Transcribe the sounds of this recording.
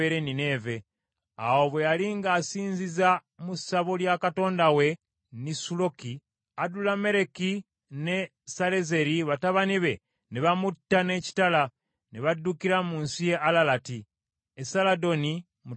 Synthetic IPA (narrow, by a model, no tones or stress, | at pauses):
eɾenine̞ve̞ | awoβwe̞jaliŋɡaːsiːnziza | musaβoljakato̞ːndawe̞ | nisulo̞ki | adulame̞ɾe̞ki | ne̞ | saɾe̞ze̞ɾiβataβaniβe̞ | niβamutːane̞ci̥tala | niβadːukiɾamuːnsije̞ʔalalati | esalado̞ni | mu